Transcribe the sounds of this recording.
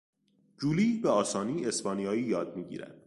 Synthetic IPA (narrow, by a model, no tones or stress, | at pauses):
d͡ʒuːliːbeɒːsɒːniːe̞spɒːnijɒːiːjɒːd̪̚miːɟḭːɾæ̰d̪̥